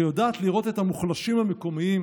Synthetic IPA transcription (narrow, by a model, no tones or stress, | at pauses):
jodaːt̪liʁo̞t̪e̞t̪hamuχlaʃimhame̞ko̞miim